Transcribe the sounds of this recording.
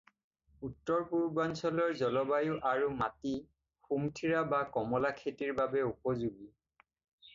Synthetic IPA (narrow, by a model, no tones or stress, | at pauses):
utːɔɹpuɹbansɔlɔɹzɔlɔbajʊʔaɹumati | xumtʰiɹabakɔmɔlakʰetiɹbabɛupɔzuɡi